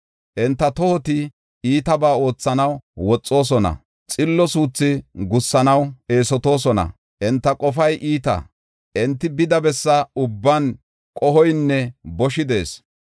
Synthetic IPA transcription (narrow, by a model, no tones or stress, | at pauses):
ʔɛnt̪ːɐt̪ɔhɔt̪ɪ | iːt̪ɐbaːo̞ːt͡sːɐnɐwwɔt͡sʼːo̞ːs̬ɔnɐ̰ | t͡sʼɪlːɔsuːt͡sːɪɡʊsːɐnɐwe̞ːsɔt̪o̞ːs̬ɔnɐ̰ | ʔɛnt̪ːɐkʼɔfɐjʔiːt̪ɐ̰ | ʔɛnt̪ːɪbɪd̪ɐbɛsːɐʊbːɐn | kʼɔhɔjnːɛbɔʃɪd̪e̞ːs